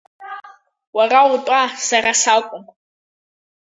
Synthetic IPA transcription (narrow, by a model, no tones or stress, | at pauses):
waraʊtʼasaɾasakʷʼʊm